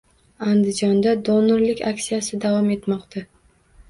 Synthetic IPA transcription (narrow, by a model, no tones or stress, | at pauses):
and̪ɪd͡ʒɒnd̪ad̪onɪɾlɪkʲakʲsijasɪd̪avɒme̞t̪mɒqt̪ʰa